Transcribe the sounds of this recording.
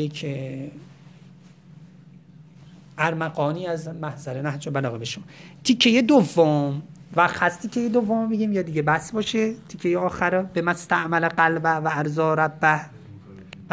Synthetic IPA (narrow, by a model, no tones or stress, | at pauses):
jekʰ | ʔæɾmæɣɒːniːæzmæhzæɾenæɦd͡ʒobælɒːɣebeʃomɒt̪ʰicʰːejed̪ovːom | væqhæst̪ʰikʲʰejed̪ovːommiɟiːmjɒd̪iːɟebæsbɒːʃet̪ʰicʰːejeɒːxæɾbemæst̪æʔmæleɢælbæhvæːɾzɒːɾæbːæh